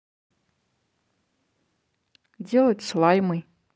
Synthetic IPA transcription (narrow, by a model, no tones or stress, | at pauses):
dʲelˠɐtʲslˠajmɨj